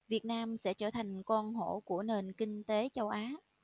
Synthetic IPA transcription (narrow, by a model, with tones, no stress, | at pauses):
vi˨˩ət̚naː˧msɛ̰˧˥t͡ɕəː˧˩t̪ʰa˨˩jŋ̟kɔ˧nɦo̰˧˩˨ku˧˩əne˨˩nkï˧ŋ̟t̪e˨˦t͡ɕə˧wʔaː˨˦